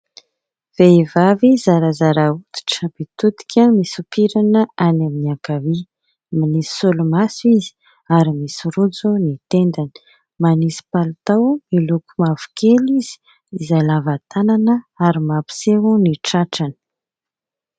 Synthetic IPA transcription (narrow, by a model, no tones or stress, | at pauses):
v̥eivavizaɾazaɾaut̪i̥ʈ͡ʂəb̥it̪ut̪i̥kʰʲəmisupiɾanəʔanaminiakavi | manisi̥sulumasuizi̥ | aɾimisiɾud͡zunit̪end̪anə̥ | manisi̥palt̪awmilukumavu̥keliz̥i̥ː | zajlavat̪ananəaɾimapi̥seuniʈ͡ʂaʈ͡ʂanə̥